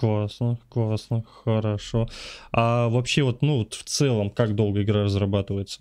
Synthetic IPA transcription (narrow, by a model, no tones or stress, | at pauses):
klˠasnəklˠasnəxəɾɐʂo̞avɐpɕːe̞vo̞t̪nuot̪ft̪sɛlˠəmkakd̪o̞lˠɡəɪɡɾarəzrɐbat̪ɨvəjɪt̪sə̥